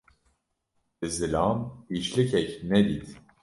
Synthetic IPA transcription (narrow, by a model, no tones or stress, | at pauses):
bɨzɨlɑːmit͡ʃlicʰɛcnɛd̪iːt̪